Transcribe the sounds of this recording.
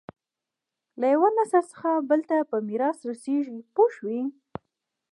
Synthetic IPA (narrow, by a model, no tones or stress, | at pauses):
lajawanasasə̥xabəlt̪apəmiɾɑsɾaseʒipoʃwi